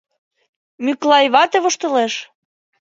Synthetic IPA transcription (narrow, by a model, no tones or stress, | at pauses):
myklɑjβɑt̪eβŏʃt̪ɤ̆leʃ